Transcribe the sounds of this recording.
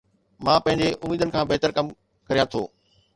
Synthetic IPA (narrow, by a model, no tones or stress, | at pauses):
mãːpɐ̃ɦɪ̃ɲd͡ʑeʔʊmiːd̪ənɪ̆kʰãːbeɦt̪əɾkɐm | kɐɾijãt̪ʰo̰ː